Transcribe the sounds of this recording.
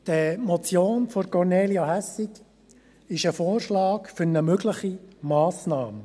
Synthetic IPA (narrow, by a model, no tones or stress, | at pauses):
d̪̥əmɔt͡sjoːnfɔɾkɔɾneːliaɦæsik | ɪʃəfoːrʃlɑːkfʏɾnəmøɡləχimɑːsnɑːm